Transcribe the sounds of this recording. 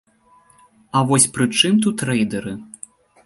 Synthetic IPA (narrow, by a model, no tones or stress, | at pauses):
ɐvɔsʲpɾɨt͡ʂɨmt̪ut̪ɾɛjd̪ɐɾɨ